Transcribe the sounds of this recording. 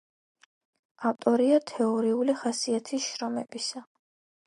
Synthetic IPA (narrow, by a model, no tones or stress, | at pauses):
aft̪ʼɔɾiat̪ʰɛɔɾiuliχasiat̪ʰisʃɾɔmɛbisa